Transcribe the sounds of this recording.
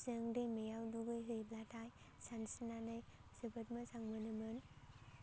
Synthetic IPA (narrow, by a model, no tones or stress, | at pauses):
zɯŋdemejawduɡɯjɦɯjplatʰaj | sansinanɯjsɯbɯt̚masaŋmɯnɯmɯn